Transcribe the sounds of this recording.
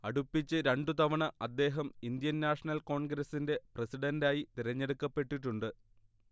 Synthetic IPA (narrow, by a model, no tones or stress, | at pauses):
ɐɽupːit͡ɕːɨɾeɳɖut̪ɐʋɐɳɐʔɐd̪ːe̞ːɦɐmind̪jɐnːaːʂɐnɐlko̞ːɳɡɾɐsːinde̞prɐsiɽɐndaːjit̪iɾɐɲːe̞ɽukːɐpːe̞ʈːiʈːuɳɖɨ